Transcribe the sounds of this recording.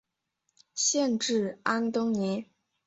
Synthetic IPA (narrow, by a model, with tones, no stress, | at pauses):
ɕjɛ˥˧nʈ͡ʂɻ̩˥˩a˥nt̪ʊ˥ŋni˧˥